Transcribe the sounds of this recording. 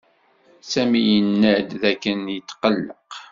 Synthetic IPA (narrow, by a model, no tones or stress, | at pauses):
sæmijənːæd̪ðækːənjət̪ːqəlːəq